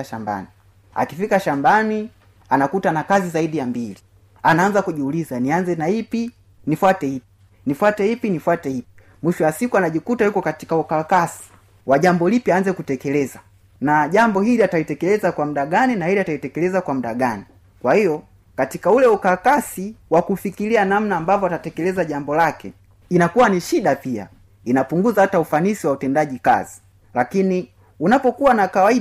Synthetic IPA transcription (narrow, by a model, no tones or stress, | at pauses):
ʃamba̰ni | a̰kifikaʃambani | anakutanakazizaiɗijambili | anaːnzakuʄiulizanianzɛnaipi | nifwatɛhip̚i̥ | nifwatɛhipinifwatɛhipi̥ | mwiʃɔwasikuanaʄikutajukɔkati̥kaukakasi̥ | waʄambɔlipiaːnzɛkutɛkɛlɛza | naʄambɔɦiliataitɛkɛlɛzakwam̩ɗaɡaninahiliataitɛkɛlɛzakwam̩ɗaɡani | kwahijɔ | katikaulɛukakasiwakufikilianam̩naːmbavɔatatɛkɛlɛzaʄambɔlakɛ̰ | inakuwaniʃiɗapia̰ | inapuŋɡuzahataufanisiwautɛndaʄika̰zi | lakini | unapɔkuwanakawai